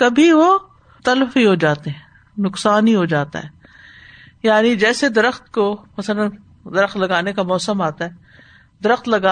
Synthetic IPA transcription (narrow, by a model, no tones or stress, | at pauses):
kɐbʱiʋo | t̪ɐlfiɦod͡ʒaːt̪eɦɛ̃ | nʊksaːniɦod͡ʒaːt̪a̰ɦɛː | jaːnid͡ʒɛːsed̪ɐɾəxt̪komɐsələn | d̪ɐɾəxt̪lɐɡaːnekamɔːsəmaːt̪aɦɛː | d̪ɐɾəxt̪lɐɡaː